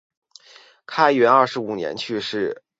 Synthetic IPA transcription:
kʰa˥ɪɥɛ˧˥nɐ˞˥˩ʂɻ̩˧˥u˨˩njɛ̰˧˥nt͡ɕʰy˥˧ʂɻ̩˥˩

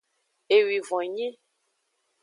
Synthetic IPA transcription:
e˨wi˨vɔ̃˨ɲẽ˦

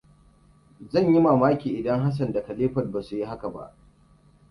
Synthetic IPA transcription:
zɐ˦˨ɲji˦maː˨maː˦kʲiː˨ʔɪ˨dɐ˦ŋɦa˦s̬ɐ˨ndɐ˨kɐ˨leː˦ɸɐ˨t̚baː˨su˨ji˦ha˦ka˨ba̰˦ʔ

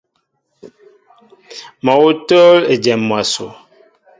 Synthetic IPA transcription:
mɔ˨wo˦to˦le˨d͡ʒɛ˨mmːwa˨so̰˨

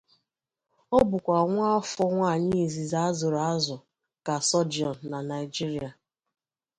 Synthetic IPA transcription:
ɔ˦bʊ˨kʷa˨ŋʷa˦ɔ˦fɔ˦ŋʷa˦˨ɲɪ˦˨zi˨za˦a˦zʊ˨ɾa˦zʊ˨ | ka˨sɔ˦d͡ʒi˨ɔ˨n̩˨na˨na˨ɪ˨d͡ʒi˦ɾi˦a˨

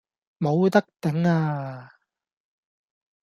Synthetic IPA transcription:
mo˨˧wt̪ɐ˥k̚t̪ɪ˨˥ŋaː˧

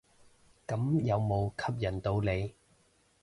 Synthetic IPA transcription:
kɐ˨˥mjɐ˨˧wmo˨˧wkʰɐ˥p̚jɐ˨˩nt̪o˧wle˨˧j

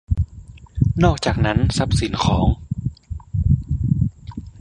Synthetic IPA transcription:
nɔː˥˩k̚t͡ɕaː˨˩k̚na˦˥nsa˦˥p̚si˨˩˦nkʰɔː˩˦ŋ

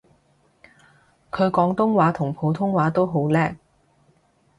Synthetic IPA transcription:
kʰɵ˨˧ɥkɔː˨˥ŋt̪ʊ˥ŋwaː˨˥t̪ʰʊ˨˩ŋpʰo˨˧wt̪ʰʊ˥ŋwaː˨˥t̪o˥wɦo˨˥wlɛː˥k̚

